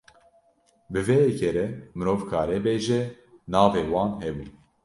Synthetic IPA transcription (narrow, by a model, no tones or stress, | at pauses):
bɨvɛjɛkʰeɾɛmɨɾoːvkʰɑːɾɛbeːʒɛ | nɑːveːwɑːnhɛbṵːn